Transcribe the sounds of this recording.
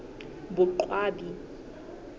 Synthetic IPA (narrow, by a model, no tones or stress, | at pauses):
bʊǃwaːbi